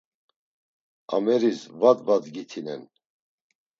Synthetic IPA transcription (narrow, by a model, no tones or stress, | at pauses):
a̰mɛɾisvat̪vat̪ɡit̪ʰinɛ̰n